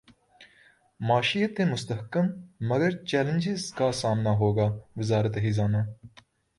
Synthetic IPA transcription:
maːʃijət̪ːemʊst̪əɦkəmːəɡəɾt͡ʃɛːlə̃nd͡ʒɪzkasaːmnaɦoːɡaːʋɪzaːɾət̪ɦizaːnaː

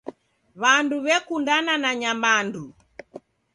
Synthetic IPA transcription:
βanduβɛkundananaɲamandu

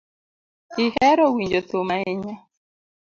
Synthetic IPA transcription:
ihɛɾɔwiɲd͡ʒot̪omaeɲɔ

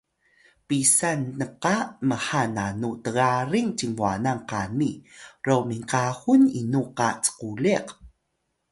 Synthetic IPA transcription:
pisanːəqaməħananutəɣaɾiŋt͡ɕiŋvuanaŋqanirowmiŋkahuninuqa̰t͡sə̥quliq

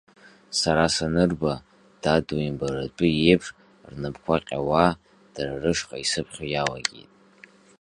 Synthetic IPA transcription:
saɾasanɨrba | d̥aduimbaɾat͡pʼɨje̞jpʰʂ | rnɨbkʷʰaqʲʼa̰wa | d̥ararɨʂqʼaisɨpʰχʲojala̰ɡʲḭjtʼ

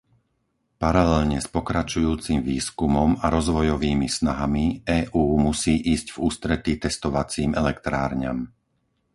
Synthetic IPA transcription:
paɾalɛlɲɛspɔkɾat͡ʃujuːt͡simʋiːskumɔmaɾɔzʋɔjɔʋiːmisnaɦamiɛːʔuːmusiːʔiːzɟvuːst̪ɾɛt̪it̪ɛst̪ɔʋat͡siːmɛlɛkt̪ɾaːɾɲa̰m

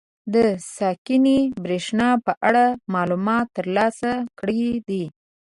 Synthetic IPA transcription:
d̪əsɑkɪnibɾeʂnɑpəʔaɽamɑlumɑt̪ːəɾlɑsakɽid̪i

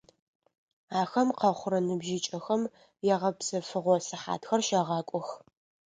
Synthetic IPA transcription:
aːxɐmqɐχʷʊɾɐnɨbʒɪt͡ʃʼɐxɐm | jɛʁɐpsɐfɨʁʷɔsɨħa̰ːtxɐrʃɐʁɑːkʷʼɔx

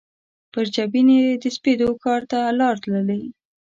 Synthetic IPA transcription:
pəɾd͡ʒabined̪əsped̪okɑɾt̪alɑɾt̪ləlai

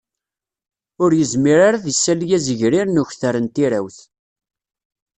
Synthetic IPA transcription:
ʊɾjəzmiɾaɾaðisːæljæzəʝɾiɾnʊçθəɾənt̪iɾa̰wθ

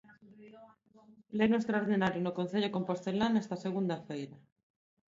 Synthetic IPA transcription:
lenuwest̪ɾaoɾð̞inaɾjonokõn̟θeʎoko̞mpost̪elanest̪aseɣ̞und̪afejɾa

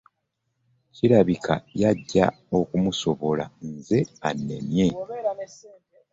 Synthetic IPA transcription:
ciɾaβikʰa̰jaɟːa̰ | o̞kumuso̞βo̞la̰nze̞anːe̞̰mje̞

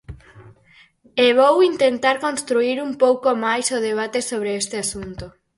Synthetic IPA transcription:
eβ̞owint̪ent̪aɾkõnst̪ɾuiɾumpowkomajsoð̞eβ̞at̪esoβ̞ɾeest̪easunt̪o

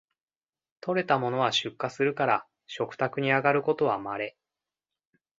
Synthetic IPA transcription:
t̪o̞ɾe̞t̪amo̞no̞βaɕɨkːasɨɾɯ̟kaɾa | ɕo̞kɯ̟̥t̪akɯ̟ɲ̟iaɡaɾɯ̟ko̞t̪o̞βamaɾe̞

